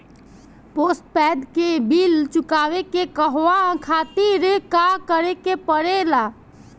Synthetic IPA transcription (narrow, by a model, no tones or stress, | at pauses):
poːsʈ̚pɛːd̪kebilt͡ʃʊkaːʋekekəɦʋakʰaːt̪iɾekakəɾekepəɾelaː